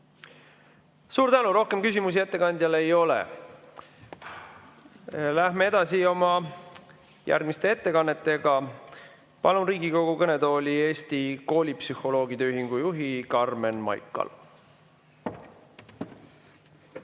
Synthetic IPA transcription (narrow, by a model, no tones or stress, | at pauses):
suːɾt̪ænuɾo̞hke̞mkysʲimus̬ie̞t̪ːe̞kɑnd̪̥ʲjɑlejo̞lḛ | læhmee̞d̪̥ɑsio̞mɑ | jæ̰rɡ̥mist̪e̞et̪ːe̞kɑnːe̞t̪ːe̞ɡ̥ɑ | pɑlunriːɡiko̞ɡ̥ukɤne̞d̪o̞ːlʲie̞ːst̪iko̞ːlʲipsyho̞lo̞ːɡ̥id̪eøyɦiŋɡ̥ujuɦikɑrme̞nmɑ̰jkːˑɑ̰l